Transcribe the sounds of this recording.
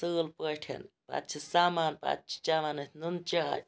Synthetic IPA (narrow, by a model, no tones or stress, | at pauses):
səːlpəʈʰɐ̰npa̰t̪t͡ʃʰisaːmaːnpa̰t̪̚t͡ʃʰi̥t͡ʃaːmaːnɨt̪ʲʰnunt͡ʃaːɾʲ